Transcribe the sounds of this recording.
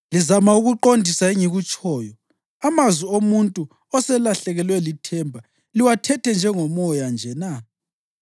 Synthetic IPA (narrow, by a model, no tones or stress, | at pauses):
lizamauɣuǃondʱisaeŋiɣut͡ʃʼɔːjɔ | amazwiomuntʼu | ɔsɛlaɬɛɣɛlwɛlitʰɛmbʱa | liwatʰɛtʰɛnd͡ʒʱɛŋɔmɔjand͡ʒʱɛna